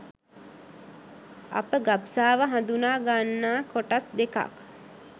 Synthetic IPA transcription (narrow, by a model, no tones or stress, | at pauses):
a̰pəɡapsaːʋəɦãnd̪unaːɡanːaːkoʈasd̪eka̰k